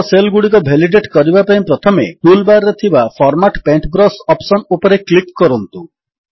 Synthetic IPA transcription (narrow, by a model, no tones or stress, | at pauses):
selɡuɽikɔbʱeliɖeʈkɔɾibapaĩpɾɔt̪ʰɔmeʈulbaɾɾet̪ʰibafpʰɔɾmaʈpeɳʈbɾɔsɔpsɔnupɔɾeklikkɔɾɔnt̪u